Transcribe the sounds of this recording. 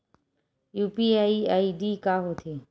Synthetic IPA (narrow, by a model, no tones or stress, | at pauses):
juːpiːaːiːaːiːɖiːkaːɦoːt̪ʰeː